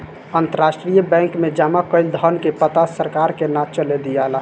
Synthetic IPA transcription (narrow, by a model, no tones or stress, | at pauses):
ənt̪əɾasʈɾijəbɛ̃ŋkmed͡ʒamakəɪld̪ʱənkepət̪asəɾkaɾkenat͡ʃəled̪ijala